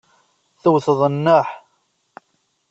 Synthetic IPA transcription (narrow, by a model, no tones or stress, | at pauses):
θʊwθəðˤənːaħ